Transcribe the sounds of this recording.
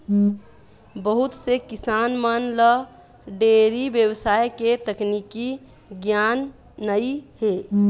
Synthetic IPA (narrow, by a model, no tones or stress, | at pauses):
bəɦʊt̪sekɪsaːnmənlə | ɖeːɾibjəwsaːeket̪əkniki | ɡjaːnː | əihe